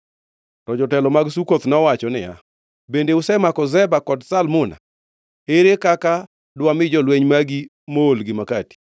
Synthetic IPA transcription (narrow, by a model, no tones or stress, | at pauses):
tɔd͡ʒɔtɛlɔmaɡsukot̪nɔwat͡ʃɔnɪja̰ | bendeʊsɛmakɔzɛbakɔdsalmʊna̰ | eɾekaka | dwamɪd͡ʒɔlweɲmaɡi | moolɡɪmakati̥